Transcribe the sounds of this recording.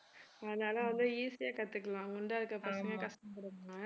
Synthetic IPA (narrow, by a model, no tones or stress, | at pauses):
ɐðɐnaːlɐʋɐnd̪ɯiːsɪjaːkɐt̪ːɯkːɐlãːŋɡɐʊɳɖaːɪɾɯkːɐpɐsɐŋɡɐkɐsʈɐmpɐɽɯŋɐŋɐ